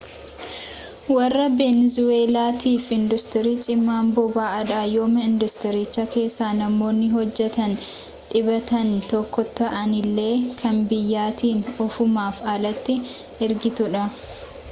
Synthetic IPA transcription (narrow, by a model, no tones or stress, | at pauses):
wɐrːɐbeːnzʊweːlaːt̪iːfɪnd̪ʊst̪ɪɾiːt͡ʃʼɪmːaːmbɔbaːɐᶑaːjo̞ːmɐɪnd̪ʊst̪ɪɾɪt͡ʃːɐke̞ːsːaːnɐmo̞ːnːɪɦɔd͡ʒːɛt̪ɐn | ᶑɪbɐt̪ɐnt̪ɔkːɔt̪ɐʔɐnɪlːe̞ːkʰɐnbɪjːaːt̪iːnɔfʊmaːfɐlɐt̪ːɪ | ɪɾɡɪt̪ʊᶑɐ